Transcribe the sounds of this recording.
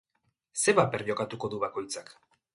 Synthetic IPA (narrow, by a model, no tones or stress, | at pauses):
se̞βapeɾʎo̞kat̪uko̞ðuβako̞jt͡sak